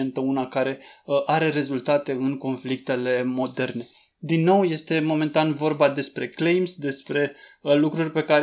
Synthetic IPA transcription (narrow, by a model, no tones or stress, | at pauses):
ent̪əunakaɾe̞ʔaɾe̞ɾe̞zult̪at̪e̞ɨnko̞nflik̚t̪e̞le̞mo̞d̪e̞rne̞ | d̪inːo̞wje̞st̪e̞mo̞me̞nt̪anvo̞rbad̪e̞spɾe̞klejmsd̪e̞spɾe̞lukɾurʲpe̞kaɾ